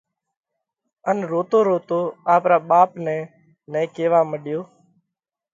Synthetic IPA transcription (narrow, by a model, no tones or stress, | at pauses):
ənɾoːt̪oːɾoːt̪oːaːpɾaːɓaːpnɛ̃ː | nɛ̃ːkeːʋaːməɗjoː